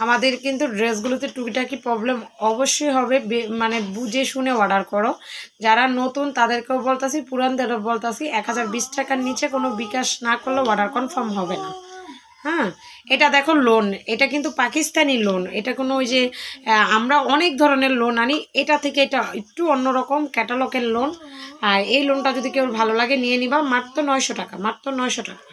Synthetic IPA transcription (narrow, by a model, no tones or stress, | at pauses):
amad̪eɾkint̪uɖɾesɡulot̪eʈukiʈaɛkipɾɔblemɔboʃːojɦɔbebemanebud͡ʑeʃunewaɖaɾkɔɾod͡ʑaɾanot̪unt̪ad̪eɾkeobolt̪asʰipuɾant̪aɾobolt̪asʰiʔɛkɦad͡ʑaɾbisʈʰakaɾnit͡ɕekonobikaʃnakoɾlowaɖaɾkɔmfʰaɾmɦɔbena | hɛ̃ | eʈad̪ɛkʰoloneʈakint̪upakist̪anilonḛʈakonojd͡ʑeamɾaɔnek̚d̪ʱɔɾoneɾlonːanieʈat̪ʰekeeʈaekʈuonːoɾɔkomkɛʈalɔkenlonaejlonʈad͡ʑod̪ʱikewbʱalolaɡenijenibamat̪ːonɔjʃoʈakamat̪ːonɔjʃoʈakḁ